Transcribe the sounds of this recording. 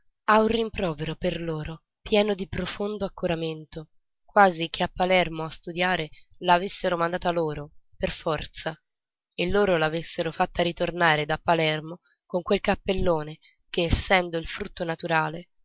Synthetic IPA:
aurːimpɾɔːveɾoperloːɾo | pjɛːnod̪ipɾofond̪oakːuɾament̪o | kwaːzik̟ʰeapːalɛrmoast̪ud̪jaːɾelaːvesːeɾomand̪aːt̪aloːɾoperfɔrt̪sa | elːoːɾolaːvesːeɾofat̪ːaɾit̪ornaːɾed̪apːalɛrmo | koŋkwelkapːelːoːne | keːsːɛnd̪oilfɾut̪ːonat̪uɾaːle

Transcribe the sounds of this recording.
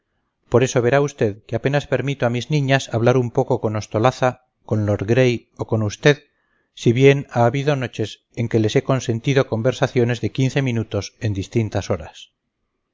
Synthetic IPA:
po̞ɾe̞so̞βe̞ɾaust̪e̞ðkeape̞naspe̞ɾmit̪oamiznĩɲasaβlaɾumpo̞ko̞ko̞no̞st̪o̞laθa | ko̞nlo̞ɾɣɾe̞j | o̞konust̪e̞ð | siβje̞naːβiðo̞no̞t͡ʃe̞s | e̞ŋke̞lese̞ko̞nse̞nt̪iðo̞ko̞mbe̞ɾsaθjo̞ne̞zðe̞kin̟θe̞mĩnut̪o̞se̞nd̪ist̪int̪aso̞ɾas

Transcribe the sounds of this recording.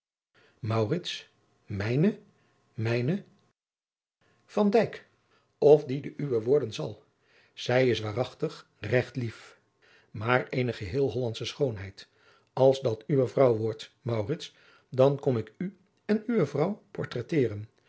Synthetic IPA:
mɑwrɪts | mɛjnə | mɛjnə | v̥ɑndɛjk | ɔfdidəʔyʋəʋʊːɹdənzɑ̰lˠ | z̥ɛjɪsʋaːrɑχtəχ | rɛχtlif | maːɹejnəχəɦɪːlˠɦɔlɑntsəsχownɦɛjt | ɑlˠzdɑtyʋəvrʌwʋɔɹtmɑwrɪts | dɑnkɔmɪky | ɛnyʋəvrʌwpɔɹtrɛtɪːrən

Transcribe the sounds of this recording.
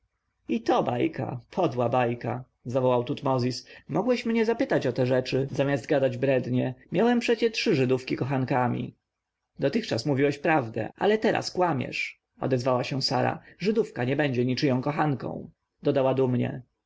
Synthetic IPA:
it̪ɔbajkʰa̰pʰɔd̪wabajka | zavɔwawt̪ut̪mɔzʲismɔɡwɛɕmɲɛzapɘt̪at͡ɕɔt̪ɛʐɛt͡ʂɘzamʲjazd̪̚ɡad̪ad͡ʑbɾɛd̪ɲɛmʲjawɛmpʂɛt͡ɕɛtʂɘʐɘd̪ufkʲikɔxankamʲḭ | d̪ɔt̪ɘxt͡ʂasmuvʲiwɛɕpɾavd̪ɛ̰ʔa̰lɛt̪ɛɾʔa̰skwamʲɛ̰ʂ | ɔ̰d̪ɛzvawaɕɛ̃saɾa̰ʐɘd̪ufkaɲɛbɛɲd͡ʑɛɲit͡ʂɘjɔ̃w̃kɔxankɔ̰̃w̃ | d̪ɔd̪awad̪umɲɛ̰

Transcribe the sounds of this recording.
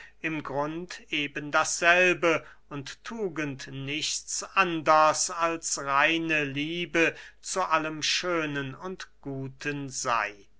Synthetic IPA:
ʔɪmɡʁʊntʔeːbəndasz̥ɛlbə | ʊnttʰːuːɡəntnɪçt͡sʔandɐsalsʁaɪnəliːbət͡suʔaləmʃøːnənʊntɡ̥uːtʰənza̰ɪ

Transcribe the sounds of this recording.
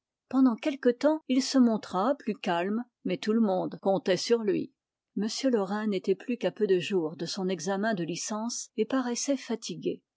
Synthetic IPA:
pɑ̃d̪ɑ̃kʲɛlkət̪ɑ̃ilsəmɔ̃t̪χaplykalm | mɛt̪uləmɔ̃d̪kɔ̃t̪ɛsyʁlɥḭ | məsjølɔʁɛ̃net̪ɛplykapød̪əʒuːʁd̪əsɔ̃nɛɡzamɛ̃d̪əlisɑ̃sepaʁɛsɛfat̪ʰiɡʲḛ

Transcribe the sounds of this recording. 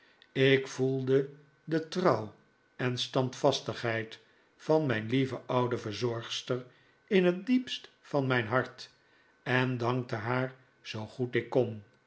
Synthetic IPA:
ɪkfulˠdə | dətrɑw | ɛnstɑntfɑstəχɦɛjt | fɑnmɛjnlivəʔɑwdəvəɹzɔɹχstəɹ | ɪnɦət̚dipst | fɑnmɛjnɦɑɹt | ɛndɑŋk̚təɦaːɹ | z̥owχutɪkːon

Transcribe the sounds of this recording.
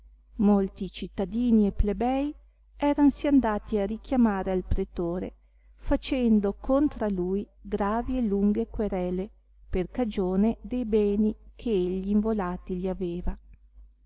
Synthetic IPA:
molt̪it͡ʃit̪ːad̪iːnieplebɛj | ɛːɾansiand̪aːt̪iarik̟jamaːɾealpɾet̪oːɾḛ | fat͡ʃɛnd̪okont̪ɾalujɡɾaːvieluŋɡekweɾɛle | perkad͡ʒoːned̪ejbɛːnikʰeeʎːiːɱvolaːt̪iʎiaveːva

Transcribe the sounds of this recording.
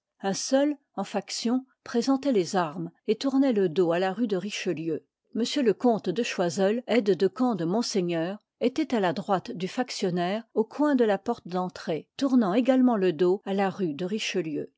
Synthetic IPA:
ɛ̃sœl | ɑ̃faksjɔ̃ | pχezɑ̃t̪ɛlezaʁmet̪uʁnɛləd̪oalaʁyd̪əʁiʃəljø | məsjøləkɔ̃t̪d̪əʃwazɛlɛd̪d̪əkɑ̃d̪əmɔ̃seɲœːʁ | et̪ɛt̪alad̪ʁwat̪d̪yfaksjɔnɛːʁokwɛ̃d̪əlapɔʁt̪d̪ɑ̃t̪χet̪uʁnɑ̃eɡalmɑ̃ləd̪oalaʁyd̪əʁiʃəljø

